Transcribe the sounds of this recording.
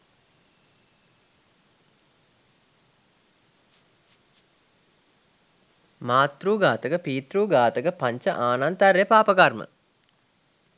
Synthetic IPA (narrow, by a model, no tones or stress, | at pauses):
maːt̪ruːɡaːt̪əkəpiːt̪ruːɡaːt̪əkəpaɲt͡ʃəʔaːnant̪arjepaːpəkarmə̰